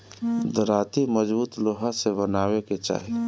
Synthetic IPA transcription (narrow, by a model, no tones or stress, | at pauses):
d̪əɾaːt̪iməd͡ʒbuːt̪loːɦasebənaːweket͡ʃa̰ːɦi